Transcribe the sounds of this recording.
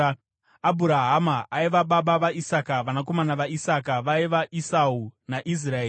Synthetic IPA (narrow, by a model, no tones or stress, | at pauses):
abʱuɾaɦamaaiʋaɓaɓaʋaisakaʋanak̬o̞manaʋaisakaʋaiʋaʔisaunaʔis̬raeː